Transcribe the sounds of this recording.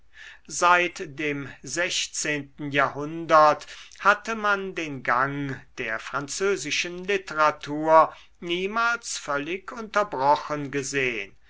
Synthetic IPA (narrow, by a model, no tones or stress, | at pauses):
zaɪtd̥eːmzɛçt͡seːntn̩jaːhʊndɐthatəmandeːnɡaŋd̥eːɐfʁ̥ant͡søːzɪʃənlɪtəʁatʰuːɐ | niːmaːlsfœlɪkʰʊntɐbʁɔχənɡəzeːə̰n